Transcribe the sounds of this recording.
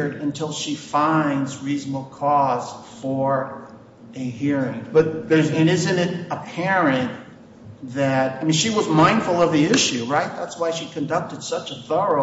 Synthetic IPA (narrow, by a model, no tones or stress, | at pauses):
ɾɨ̃ntʰɪlˠʃifãɪ̃ndzɹizn̩əbl̩ˠkʰɔz̥fə˞ | ɨɦiɹɪ̃ŋb̥ʌt̪̚ðə˞zɨ̃nɪzɨ̃nɨɾəpʰɛɹɨ̃n | ðɨt̚aɪmĩnʃiwʌzmãɪ̃nd̥fl̩ˠʌvðiɪʃʉɹaɪt̪̚ðætswaɪʃikʰɨ̃ndʌk̚tɨd̥sʌt͡ʃəθɜ˞o